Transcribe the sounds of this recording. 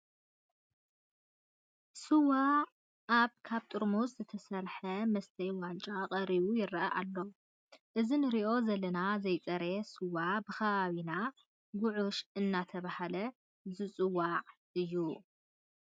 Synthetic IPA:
sɨwaː | βkʰaβt̪ʼɨɾmuszɨt̪ʰɐsɐɾħɐmɐst̪ʰɐjwant͡ʃʼaqʼɐɾiβujɪɾɐɐʔalːo̞ | ʔɨzinɨɾiʔo̞zɐlːɐnazɐjt͡sʼɐɾesɨwabɨxɐβaβina | ɡʊʕuʃɨnːat̪ʰɐβahalɐ | zɨt͡sʼɨwaʕ | ʔɨjːu

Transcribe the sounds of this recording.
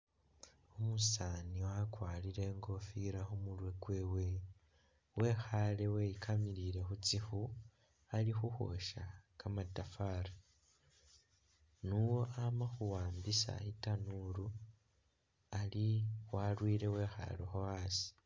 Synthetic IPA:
omusaniwakwaːliɾe̞ːŋɡo̞fiɾaxomulwe̞ɡwe̞ːwe̞ | we̞xale̞wejikʰamiɾiɾe̞xut͡sixu | alixuxo̞̰ʃakamatafaːɾa | nuwo̞ʔamaxuwaːmbisa̰itanuɾu | aliwalwiːɾe̞we̞ːxa̰lexowaːsi̥

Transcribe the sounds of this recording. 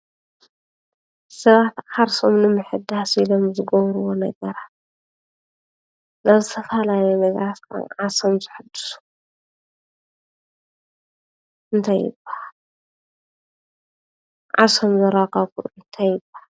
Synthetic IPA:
sɐβat̪xaɾsomnɨmɨħɨd̪asilomzɨɡoβɾuwonɐɡɐɾat̪̚ | nazɨt̪ʰɐfalajemɐzaskʰa̰nʕasomzɨħɨd̪ːɨ̥su̥ | ʔɨnt̪ʰajːɪ̰bːḁhal | ʕa̰somzɐɾakʼaβkuʔuɨnt̪ʰajːɪbahal

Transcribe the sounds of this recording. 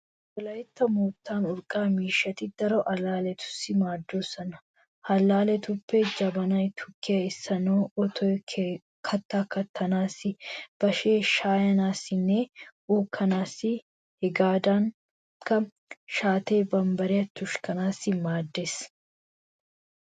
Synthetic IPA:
wɔlɐjɪt̪ːɐmuːt̪ːaːnʊɾkʼaːmiːʃːɐt̪ɪd̪ɐɾɔʔɐlaːlɛt̪ʰʊ̥sɪmaːd̪ːoːsɐnɐ | ʔɐlaːlɛt̪ʊpːɛd͡ʒɐbɐnɐjt̪ʰʊ̥kʰːɪɐɪsːɐnoːɔt̪ɔ | kʰɐt̪ːaːkːɐt̪ʰːɐnaːsɪb̥ɐʃeːʃaːjɐnaːsɪnːeuːkʰːɐnaːsɪ | hɪɡaːd̪aːŋ | kɐ | ʃaːt̪eːbɐmbɐɾɪɐt̪ːʊʃkɐnaːsɪmaːd̪ːeːs

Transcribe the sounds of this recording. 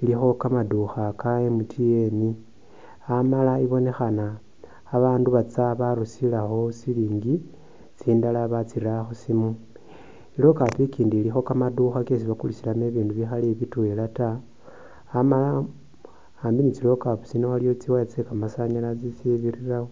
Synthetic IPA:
ilixo̞kamaduxakajemutʰieni | amalaiβo̞ne̞xanaː | βaːnduβat͡saβaɾusilaxo̞siliːŋɡi | t͡siːndalaβat͡siraxosimu | ilo̞kapikiːndilixo̞kamaduxakes̬iβakulisilameβiːnduβixaleβitwelataː | malaː | mbinit͡silo̞kaput͡sinoalijot͡siwajat͡sekamasaɲalat͡sisiβirirawo

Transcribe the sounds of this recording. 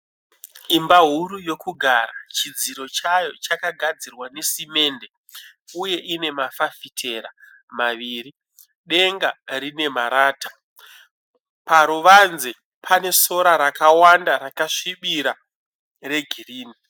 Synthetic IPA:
imbaɦuɾujo̞kuɡʱaɾa̰t͡ʃid͡ziɾo̞t͡ʃajo̞t͡ʃakaɡʱad͡zirwanesime̞ːnde | uje̞ʔine̞mafafitʰe̞ɾa̰ | maʋiːri | ɗe̞ŋɡarine̞maɾaːtḁ | paɾuʋanze | pʰane̞so̞ɾaɾakawandaɾakaʂiɓiɾa | re̞ɡʱiriːni

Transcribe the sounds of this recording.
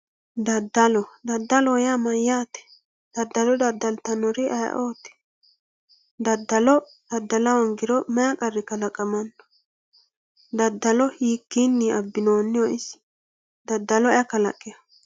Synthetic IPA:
d̪ɐd̪ːɐlɔd̪ɐd̪ːɐlɔjamɐjaːt̪ɛ̥ | d̪̥ɐd̪ːɐlɔd̪ɐd̪ːɐlt̪ɐnɔɾɪʔɐja̰ʔoːt̪ɛ̥ | d̪ɐd̪ːɐlɔ | d̪̥ɐd̪ːɐlɐwɐŋɡɪɾɔmɛakʼɐɾːɪkɐlɐkʼːɐmɐnːɔ̥ | d̪ɐd̪ːɐlɔhiːkːinːɪʔɐbːɪnoːnːɪjɔʔɪs | d̪ɐd̪ːɐlɔɐkɐlɐ̰kʼːɪjɐ

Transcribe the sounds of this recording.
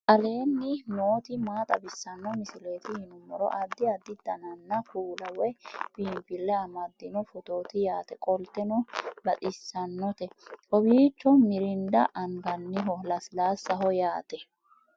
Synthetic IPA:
kɐle̞ːnːɪnoːt̪ɪmaːt̪ʼɐbɪsːɐnːɔmɪsɪleːt̪ɪhɪnʊmːɔɾɔ̰ʔɐd̪ːɪɐd̪ːɪd̪ɐnɐnːɐkuːlɐwɔjbiːmpɪlːɛɐmɐd̪ːɪnɔfɔt̪oːt̪ɪjaːt̪ɛkʼɔlt̪ɛnɔbɐt̪ʼɪsːɐnːɔt̪ɛʔɔbiːt͡ʃːɔmɪɾɪnd̪ɐʔɐŋɡɐnːɪɦɔlɐslaːsːɐɦɔjaːt̪ɛ

